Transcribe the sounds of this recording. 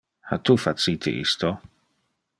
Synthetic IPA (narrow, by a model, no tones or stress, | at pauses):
hat̪ufat̪sit̪ɪ̰ʔḭst̪ɔ